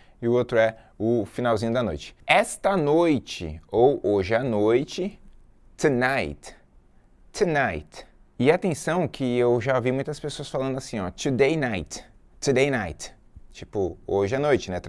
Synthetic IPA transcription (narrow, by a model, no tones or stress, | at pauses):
ɪʊot̪ɾʊɛ | ʊfinawzĩɲʊd̪ɐno̰jt͡ʃɪ̥ɛst̪ɐnojt͡ʃɪ̰owoʒɪanojt͡ʃɪ | t̪unajt̪ː | unajt̪ | ɪat̪ẽsɐ̃w̃kʰɪewʒavimũj̃t̪ɐspesoɐsfalɐ̃nd̪ʊasĩɔt̪ud̪ejnajt̪ | t̪ud̪ejnajt̪t͡ʃipʊoʒɪanojt͡ʃɪnɛt̪